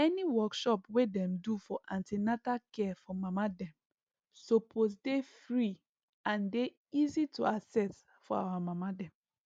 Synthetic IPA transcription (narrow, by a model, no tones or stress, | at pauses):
ɛniwɔkʃɔpwedɛ̃mdufɔʔãntinatakɛfɔmamadɛ̃m | sopʰos̬defɹi | ãnde | izituasɛs | fɔa̰wamamadɛ̃m